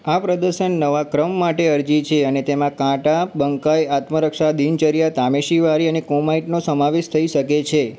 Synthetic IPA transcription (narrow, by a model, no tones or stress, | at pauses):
apɾəd̪əɾʃənːəʋakɾəmːaʈeəɾd͡ʒit͡ʃʰeənet̪emãkãʈabəŋkajat̪məɾəkʃad̪int͡ʃəɾijat̪ameʃiʋaɾiənekõmaiʈnosəmaʋeʃt̪ʰəiʃəket͡ʃʰe